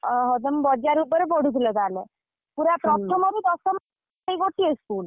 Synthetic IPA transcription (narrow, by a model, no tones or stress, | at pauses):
ɦɔd̪əmbɔd͡ʒaɾubəɾebɔɽ̤ut̪ilɔt̪ale | puɾapɾɔt̪ʰɔmɔbʱid̪ɔsɔm | eiɡoʈʰieskul